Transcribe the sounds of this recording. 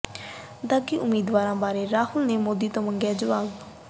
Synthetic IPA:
d̪aɡiʔʊmiːd̪ʋaːɾãbaːɾeɾaːhulnemod̪it̪oməŋɡad͡ʒəʋaːb

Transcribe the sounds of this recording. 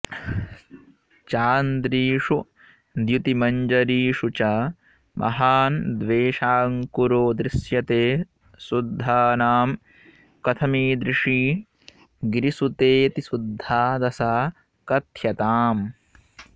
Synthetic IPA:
t͡ʃaːnd̪ɾiːʂu | d̪jut̪imɐɲd͡ʒɐɾiːʂut͡ʃɐ | mʔɐ̰ɦaːnd̪ʋeːʂaːŋkuɾoːd̪ɾɪsjɐt̪eː | sud̪ʱːaːnaːm | kɐt̪ʰɐmiːd̪ɾiʂiː | ɡɾisut̪eːt̪isud̪ʱːaːd̪ɐsaː | kɐt̪ʰjɐt̪aːm

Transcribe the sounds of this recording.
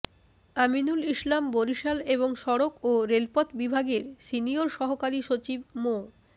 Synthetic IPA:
aminuliʃlamboɾiʃaleβoŋʃɔɾokoɾelpɔt̪bibʱaɡeɾsinioɾʃɔɦokaɾiʃot͡ɕib̚mo

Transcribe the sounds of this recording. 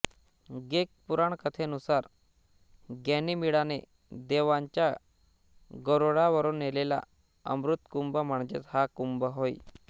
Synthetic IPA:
ɡek̚puɾaɳkət̪ʰeənusaɾ | ɡɛnimiɽanḛ | d̪eʋãɲt͡ɕja | ɡəɾoɽaʋəɾoːnːelela̰ | ə̰mɾut̪kumbəm̤əɳd͡ʑḛt̪hakumbəɦoj

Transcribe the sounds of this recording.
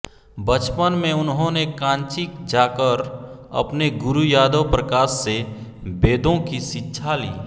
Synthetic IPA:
bət͡ʃpənmẽʊnɦõnekãːnt͡ʃɪkd͡ʒaːkəɾ | ɐ̰pneɡʊɾujaːd̪əwpɾəkaːsːe | beːd̪õkiʃɪtːʃʰalḭː

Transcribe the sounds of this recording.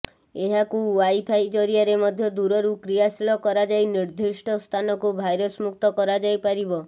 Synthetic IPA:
eɦakuwajpʰajd͡ʒɔɾiaɾemɔd̪ʱjɔd̪uɾɔɾukɾijasiɭɔkɔɾad͡ʒajniɾd̪ʱisʈʰɔst̪ʰanɔkubʱajɾɔsmuk̚t̪ɔkɔɾad͡ʒajpaɾibɔ

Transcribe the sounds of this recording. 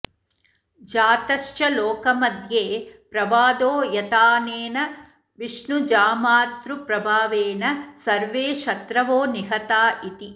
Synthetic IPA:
d͡ʒaːt̪ɐʃt͡ʃɐloːkɐmɐd̪ʱjeːpɾɐʋaːd̪oːjɐt̪aːneːnɐ | ʋiʂnud͡ʒaːmaːt̪ɾupɾɐbʱaːʋeːnɐsɐɾʋeːʃɐt̪ɾɐʋoːniɦɐt̪aːʔit̪i

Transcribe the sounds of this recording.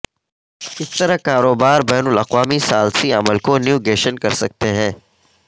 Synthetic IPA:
kɪst̪ɐɾakaːɾoːbaːɾbɛːnʊlɐqʋaːmisaːlsiɐməlkonjuːɡeːʃənkɐɾsɐk̚t̪eɦɛ̃ː

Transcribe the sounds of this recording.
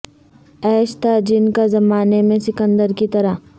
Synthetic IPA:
ɛːʃt̪ad͡ʒɪnkazɐmaːnemẽsɪkə̃nd̪əɾkit̪ɐɾa

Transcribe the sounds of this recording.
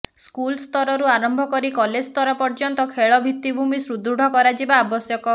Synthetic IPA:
skulst̪ɔɾɔɾuaɾɔmbʱɔkɔɾikɔled͡ʒst̪ɔɾɔpɔɾd͡ʒɔnt̪ɔkʰeɭɔbʱit̪ːibʱumisɾud̪ʱɾuɽ̤ʱɔkɔɾad͡ʒibaːbɔsjɔkɔ

